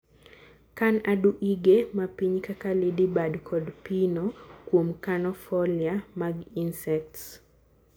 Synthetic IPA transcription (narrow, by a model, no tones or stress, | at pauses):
kanaduʔiɡemapiɲkakalidibadkʰɔdpinokwomkanɔfɔliamaɡinsɛk̚ts